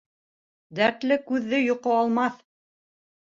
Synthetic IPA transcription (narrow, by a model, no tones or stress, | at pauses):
d̪æɾt̪lɘkʉðːɘjŏqoɑlˠmɑθ